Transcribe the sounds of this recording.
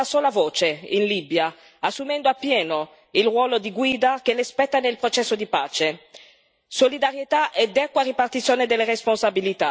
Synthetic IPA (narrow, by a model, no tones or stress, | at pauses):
asoːlavoːt͡ʃeinlibja | asːumɛnd̪oapːjɛːno | ilrwɔːlod̪iɡwiːd̪akelespɛt̪ːanelpɾot͡ʃɛsːod̪ipaːt͡ʃe | solid̪aɾjet̪aʔɛd̪ɛkːwaripart̪it̪sːjoːned̪elːeɾesponsabilit̪a